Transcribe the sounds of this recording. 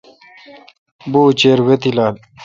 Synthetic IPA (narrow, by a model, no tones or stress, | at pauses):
buːt͡ɕeːɾwet̪ilaːl